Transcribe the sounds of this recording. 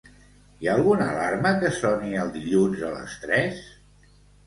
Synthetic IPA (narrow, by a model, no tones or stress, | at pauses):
iaːlˠɣunəlaɾməkəsɔniəlˠd̪iʎunzələ̰st̪ɾɛs